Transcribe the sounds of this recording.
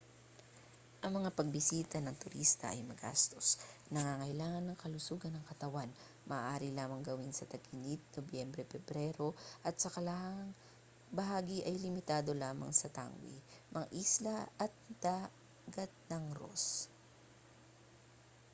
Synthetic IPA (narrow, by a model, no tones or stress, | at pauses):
ʔɐŋmɐŋapɐɡ̚bɪsiːt̪ɐnɐŋt̪ʊɾist̪ɐ̰ʔɐ̰jmɐɡa̰st̪o̞snɐŋaŋɐjlaːŋɐnːɐŋkɐlʊsuːɡɐnːɐŋkɐt̪ɐwan | mʔɐʔːʔaːɾilaːmɐŋɡɐwinsɐt̪ɐɡɪnit̪̚nobjɛmbɾɛpɛbɾɛɾo̞ʔɐt̪̚sɐkɐlahŋ | bɐɦaːɡiʔɐjlɪmɪt̪aːd̪o̞laːmɐ̰ŋsɐt̪a̰ŋwḭmɐŋaʔislɐɐt̪̚d̪̥aː | ɡɐt̪̚nɐŋɾo̰s